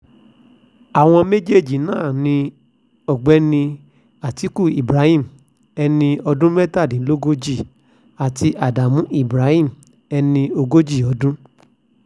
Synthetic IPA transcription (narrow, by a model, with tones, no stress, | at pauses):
a˨w̃ɔ̃˧me˦d͡ʒe˦˨d͡ʒi˨nãː˦˨nĩ˧ | ɔ˨ɡ͡bɛ˨˦nĩ˧ | a˨ti˨˦ku˦˨i˨bɾa˨˦hĩ˦˨m̩˨ | ɛ˧nĩ˧ɔ˧dũ˦mɛ˦ta˦˨dĩ˨˦lo˦ɡo˦d͡ʒi˦˨ | a˨ti˧ʔa˨da˨mũ˨˦ʔi˦˨bɾa˨˦hĩ˦˨m˨ | ɛ˧nĩ˧o˧ɡo˦d͡ʒi˦˨ɔ˨˦dũ˦